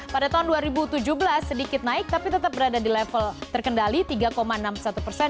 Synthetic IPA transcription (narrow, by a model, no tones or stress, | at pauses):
padat̪aɦunduaɾibut̪ud͡ʒubəlasːədikɪt̪̚naɪk̚t̪apit̪ət̪ap̚bəɾadadilɛfəlt̪ərkəndalit̪iɡakomaənamsat̪upərsɛn